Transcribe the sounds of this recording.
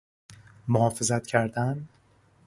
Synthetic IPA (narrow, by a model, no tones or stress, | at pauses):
mohɒːfe̞zæt̪cʰæɾd̪æn